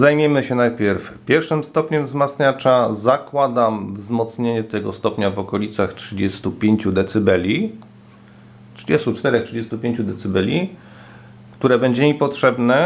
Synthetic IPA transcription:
zajmʲjemɘɕɛnajpʲjɛɾfpʲjɛɾfʂɘmst̪ɔpɲɛmvzmat̪sɲat͡ʂazakwad̪amvzmɔt̪sɲeɲɛt̪ɛɡɔst̪ɔpɲavɔkɔlʲit̪saxtʂɘd͡ʑɛst̪upʲjeɲt͡ɕud̪ɛt̪sɘbɛlʲi | tʂɘd͡ʑɛst̪ut͡ʂt̪ɛɾɛxtʂɘd͡ʑest̪upʲjeɲt͡ɕud̪ɛt̪sɘbɛlʲi | kt̪uɾɛbɛɲd͡ʑɛmipɔtʂɛbnɛ

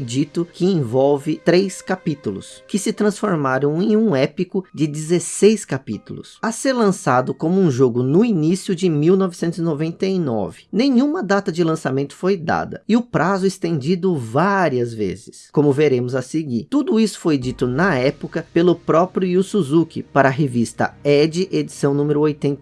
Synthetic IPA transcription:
fjd͡ʒit̪ʊkɪẽvɔwvɪt̪ɾejskapit̪ʊlʊ̰skɪsɪt̪ɾɐ̃sfoɾmaɾɐ̃w̃ẽj̃ũɛpikʊd͡ʒɪd͡ʒ̪ɪzesejskapit̪ʊlʊ̰sɐseɾlɐ̃sad̪ʊkõmʊũʒoɡʊnʊinisjʊd͡ʒɪmiwnɔvɪsẽnt̪ʊzɪnovẽnt̪ɐinɔ̰vɪnẽj̃ũmɐd̪at̪ɐd͡ʒɪlɐ̃samẽnt̪ʊ̥fojd̪a̰d̪ɐ̰ɪʊpɾʔazʊest̪ẽnd͡ʒid̪ʊvaɾiɐzvḛzɪskõmʊveɾẽmʊzɐseɡiɾt̪ud̪ʊisʊ̥fojd͡ʒit̪ʊnɐɛpʊkɐpelʊpɾɔpɾjʊiʊsuzukɪ̰paɾɐɦevist̪ɐ̰ɛd͡ʒɪʔed͡ʒisɐ̃w̃nũmɪɾʊojt̪ẽnt̪

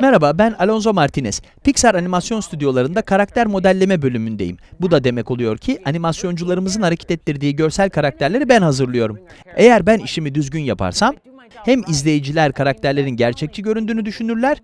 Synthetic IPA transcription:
mɛɾababænalʲˠo̞nzo̞maɾt̪ʰinɛs | picsaɾanimasjo̞nst̪ʰyd̪ijo̞lˠaɾɯnd̪akʰaɾak̚t̪ʰæɾmo̞d̪ælʲːe̞mɛbø̞lʲymynd̪ejḭmbud̪ad̪e̞mɛco̞lˠujo̞̰ɾcʰiʔanimasjo̞nd͡ʒulˠaɾɯmɯzɯnaɾecʰɛ̥t̪ɛt̪ʰːiɾd̪iːɟø̞ɾsælʲkʰaɾak̚t̪ʰæɾlʲe̞ɾibænhazɯɾlˠɯjo̞ɾum | e̞jæɾbæniʃimid̪yzɟynjapʰa̰ɾsam | hæmizlʲe̞jid͡ʒilʲæɾkʰaɾak̚t̪ʰæɾlʲe̞ɾinɟæɾt͡ʃʰɛc̚t͡ʃʰiɟø̞ɾynd̪yːnyd̪yʃynyɾlʲæɾ̥

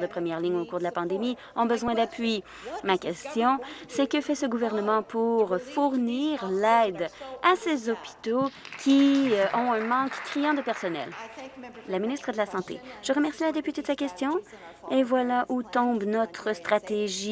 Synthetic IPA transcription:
d̪əpχəmjɛʁliŋokuːʁd̪əlapɑ̃d̪emi | ɔ̃bəzwɛ̃d̪apʰɥi | makʲɛst̪jɔ̃sɛkəfɛsəɡuvɛʁnəmɑ̃puʁfuʁniːʁlɛːd̪asezɔpi̥t̪okʲiʔɔ̃ɛ̃mɑ̃kːʁijɑ̃d̪əpɛʁsɔnɛ̰l | laminist̪χəd̪əlasɑ̃t̪ḛʒ̥əʁəmɛʁsilad̪epyt̪ed̪əsakʲɛst̪jɔ̃ | evwalaʔut̪ɔ̃bnɔt̪χəst̪χat̪eʒi

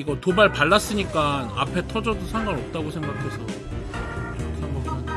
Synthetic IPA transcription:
iɡʌtobaɭpaɭːas͈ɯɲik͈ana̰pʰe̞tʰʌd͡ʑʌdosʰaŋɡaŋʌp̚t͈aɡosʰe̞ŋɡakʰe̞sʰʌ | osʰaŋɡakʰa

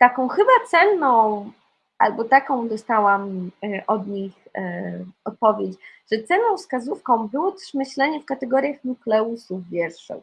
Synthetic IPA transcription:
t̪akɔ̃w̃xɘbat̪sɛnːɔ̃w̃ | ʔa̰lbɔt̪akɔ̃w̃d̪ɔst̪awamʔɔd̪ɲix | ɔt̪̚pɔvʲjet͡ɕʐ̥ɛt̪sɛnːɔ̃w̃fskazufkɔ̃w̃bɘwɔt̪ɛ̥ʂmɘɕlɛɲɛfkat̪ɛɡɔɾʲjaxnuklɛusuvːʲjɛɾʂɛ̰w

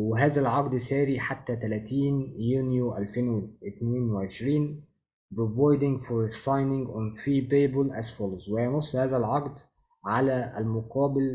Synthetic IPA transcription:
weɦæːzælʕɑqd̪sæːɾiːħat̪ːæt̪ælæt̪iːnjuːnjoʔælfenwɪʔɪt̪neːnwɪʕeʃɾiːn | bvojd̪ɪŋɡfɔɾsˤɑjnɪŋɡʔonfiːbeːbʊlʔæsfɑlswɪjɑnosˤːhæːzælʕɑqd̪ | ʕalæælmʊqɑːbɪl

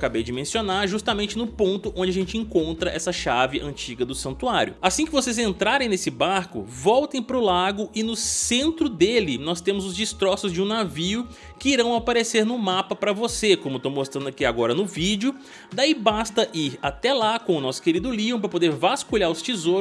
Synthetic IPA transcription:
kabejd͡ʒɪmẽsionaɾʒust̪amẽnt͡ʃɪnʊpõnt̪ʊʔõd͡ʒɪaʒẽnt͡ʃɪẽkõnt̪ɾɐʔɛsɐʃavɪʔɐ̃t͡ʃiɡɐd̪ʊsɐ̃nt̪uaɾjʊ̰asĩkɪvosezẽnt̪ɾaɾẽj̃nesɪbaɾkʊ̰vɔwt̪ẽj̃pɾʊlaɡʊʔɪnʊsẽnt̪ɾʊd̪elɪnɔst̪ẽmʊzʊzd͡ʒɪst̪ɾɔsʊzd͡ʒɪũnaviʊ | kɪiɾɐ̃w̃apaɾeseɾnʊmapɐpɾɐvosekõmʊt̪owmost̪ɾɐ̃nd̪ɐkiɛaɡɔɾɐnʊvid͡ʒʊ | d̪aibast̪ɐʔiɾat̪ɛlakõʊnɔsʊ̥keɾid̪ʊliõp̬ɾɐpod̪eɾvaskuʎaɾʊst͡ʃizo

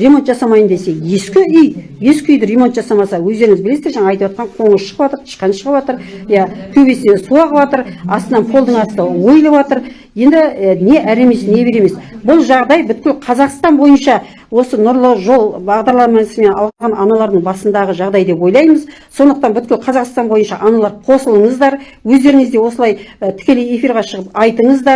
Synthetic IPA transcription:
re̞mot̪ʒɑsɑmɑjənd̪e̞se̞je̞skʲɪʏj | je̞skʲɪʏjd̪ɪɾʲe̞mo̞nt̪ʒɑsɑmɑsɑwɵzd̪eɾɪŋɪzbɪle̞seɾʒɑɴɑɑjt̪əwɑt̪qɑɴqʰo̞ɴəʃʃəʁəpɑt̪əɾt̪ʰə̥ʃqɑnʃəʁəpɑt̪əɾjɑkʲʰɵbesɪnesuɑʁəpɑt̪əɾɑst̪ənɑnpʰo̞lˠd̪əɴɑsənɑwo̞jəlˠəβɑt̪əɾ | je̞nd̪ɪne̞ʔæɾe̞me̞sne̞be̞ɾe̞me̞sbʊlˠʒɑʁd̪ɑjbʏt̪kʲɪlʲqʰɑzɑqst̪ɑnbo̞jənʃɑ | wo̞sənʊɾlˠəʒo̞lˠbɑʁd̪ɑɾlˠɑmɑsəme̞nɑ̰lˠʁɑʁɑnʔɑnɑlˠɑɾd̪əɴbɑsənd̪ɑʁəʒɑʁd̪ɑjd̪e̞pwo̞jlˠɑjməz | so̞nd̪əq̚t̪ɑnbʏt̪kʲɪlqʰɑzɑqst̪ɑnbo̞jənʃɑʔɑnɑlˠɑɾqʰo̞səlˠəɴəzd̪ɑɾ | wɵzd̪e̞ɾɪŋɪzd̪e̞wo̞səlˠɑjt̪ʰɪ̥kʲe̞leje̞fiɾʁɑʃəʁəpɑjt̪əɴəzd̪ɑ

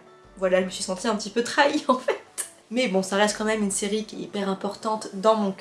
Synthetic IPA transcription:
vwalaʒəməsɥisɑ̃t̪iɛ̃pət̪ipøt̪χaiɑ̃fɛt̪ | mɛbɔ̃saʁɛst̪̚kɑ̃mɛmynseʁikʲjɛipɛʁɛ̃pɔʁt̪ɑ̃t̪d̪ɑ̃mɔ̃k

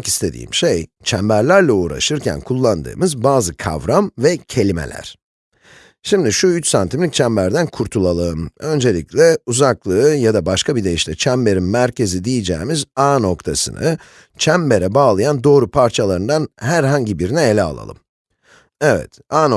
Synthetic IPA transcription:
ki̥st̪ʰe̞d̪ḭːmʃejt͡ʃʰæmbæɾlʲæɾlʲɛuːɾa̰ʃɯɾcʰæ̰nkʰulˠːand̪ɯ̰ːmɯzbaːzɯkʰa̰vɾamvɛcʰe̞lʲimḛlʲæ̰ɾ̥ | ʃimd̪iʃuyt͡ʃsant̪ʰimlʲic̚t͡ʃʰæmbæɾd̪ænkʰuɾt̪ʰulˠalˠɯɯmø̞nd͡ʒe̞lʲiclʲɛuzaklˠɯːjad̪abaʃkʰabid̪e̞jiʃt̪ʰɛt͡ʃʰæmbe̞ɾinmæɾce̞zid̪ijid͡ʒḛːimizaːno̞kt̪ʰasɯ̰nɯ | t͡ʃʰæmbe̞ɾɛbaːlˠɯjand̪o̞ːɾupʰaɾt͡ʃʰalˠaɾɯnd̪anhæɾɦaɲɟibiɾinɛelʲɛa̰lˠa̰lˠɯ̰m | ɛvɛ̰t̪ | aːn

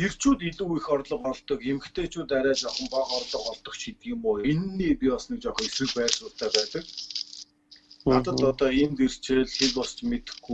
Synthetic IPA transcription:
er̥t͡ɕuːt̪iɮuːixɔrt̪ɮɞ̆χɔɮt̪ɞ̆kemɘ̆xt̪ʰeːt͡ɕuːt̪aɾʲæːt͡ɕɔχɞ̆mpaχɔrɮə̆χɔɮt̪ɞ̆χt͡ɕʰit̪̚ɡiːmʊːjenːiːpiɔsniːk̚t͡ɕɔχɞ̆esrɘ̆kpæːrsʊ̥ːt̪ʰæːpæːt̪ə̆k̚ | at̪ə̆t̪ɔt̪ɔemt̪er̥t͡ɕeːɮxekɔst͡ɕmet̪ɘ̆xɡu

